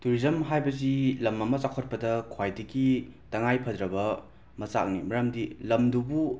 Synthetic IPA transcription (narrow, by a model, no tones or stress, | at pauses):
tuɾizɐmɦajbɐzilɐmɐmɐt͡ʃakʰot̚pɐdɐkʰwajdɐɡitɐŋajpʰɐdɾɐbɐ | mɐt͡ʃa̰k̚nḭmɐɾɐmdilɐmdubu